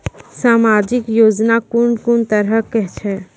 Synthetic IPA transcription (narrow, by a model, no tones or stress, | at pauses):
saːmaːd͡ʒɪkjoːd͡ʒnakʊnkʊnt̪əɾəkɛɦt͡ʃʰɛː